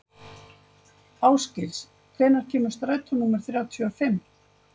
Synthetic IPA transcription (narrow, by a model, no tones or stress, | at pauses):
aːwscɪls | kʰvɛːnaɾ̥cʰɛːmʏɾ̥st̪ɾaːjt̪ʰɔnːuːmaɾ̥θɾjawt̪ʰjuafɪm